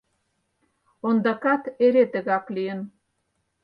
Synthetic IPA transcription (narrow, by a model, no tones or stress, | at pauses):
ond̪ɑkɑt̪eɾet̪ə̆ɣɑklijə̆n